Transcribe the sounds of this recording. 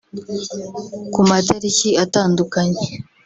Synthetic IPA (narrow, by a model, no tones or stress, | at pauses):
kumateɾiciataːndukaɲe